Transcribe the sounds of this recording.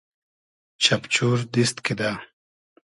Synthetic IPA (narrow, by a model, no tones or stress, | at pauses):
t͡ɕʰɐpt͡ɕuːɾd̪ist̪kid̪aː